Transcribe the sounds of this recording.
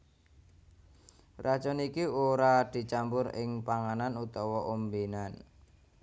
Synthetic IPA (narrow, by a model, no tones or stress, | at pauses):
rḁt͡ʃɔnikioɾad̪̥i̤t͡ʃambʊɾɪ̰ŋpaŋananut̪ɔwɔʔombinan